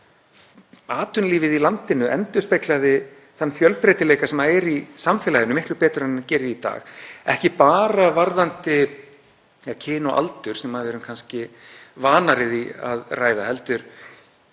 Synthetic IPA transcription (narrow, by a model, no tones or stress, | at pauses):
aːt̪ʏnliːvɪðilant̪ɪnʏʔɛ̰nt̪ʏ̥spejklaðɪ | θanːfjœlpɾɛjt̪ɪleːjkasɛmaɛɾisamfɛːlajɪnʏmɪht̪lʏpɛːt̪ʏɾɛnːacɛːɾɪit̪a̰ːxɛhcɪpaːɾavaɾðant̪ɪ | cʰɪːnɔʔa̰lt̪ʏɾ̥sɛmːaðɛːɾʏmkʰanscɪvaːnaɾɪðia̰ðraːjðahɛlt̪ʏɾ̥